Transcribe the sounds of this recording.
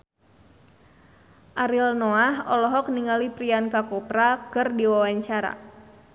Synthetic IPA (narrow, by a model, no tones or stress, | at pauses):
ʔaɾilnoaɦɔlɔɦɔk̚niŋalipɾiankakɔpɾakɨrdiwawaɲt͡ʃaɾa̰